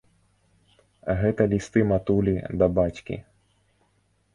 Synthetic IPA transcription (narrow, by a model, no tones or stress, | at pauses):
ɣɛt̪ɐlʲist̪ɨmat̪ulʲid̪ɐbat͡ɕʲkʲḭ